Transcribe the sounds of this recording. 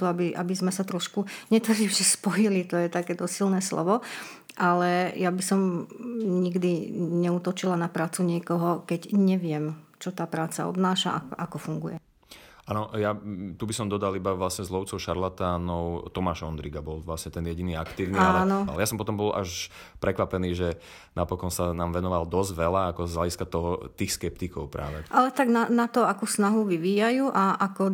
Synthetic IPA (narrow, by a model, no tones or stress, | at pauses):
uabiʔa̰bizmɛsat̪ɾɔʃkuɲɛt̪aɾimʒɛspɔjilit̪ɔjɛt̪akɛːt̪ɔssilnɛːslɔ̰ʋɔ | ʔalɛjabisɔm | ɲiɡd̪iɲɛuːt̪ɔt͡ʃilanapɾaːt͡suɲɪɛkɔɦɔkɛɟɲɛʋɪɛmt͡ʃɔt̪aːpɾaːt͡sa̰ɔ̰bnaːʃa̰ʔakʔakɔfuŋɡujɛ | aːnɔjat̪ubisɔmd̪ɔd̪alibaʋlasɲɛzlɔʊt͡sɔʊʃaɾlat̪aːnɔʊt̪ɔmaːʃɔnd̪ɾiɡabɔlʋlasɲɛt̪ɛnjɛɟiniːakt̪iːʊnialɛnɔa̰ljasɔmpɔt̪ɔmbɔlʔa̰ʃ | pɾɛkʋapɛniːʒɛ | napɔkɔnsanaːmʋɛnɔʋald̪ɔzɟʋɛlaakɔzɦlaɟiskat̪ɔɦɔt̪iːxskɛp̚t̪ikɔʊpɾʔa̰ːʋɛʔalɛt̪aɡnanat̪ɔakuːsnaɦuʋiʋiːjajuːʔaʔakɔ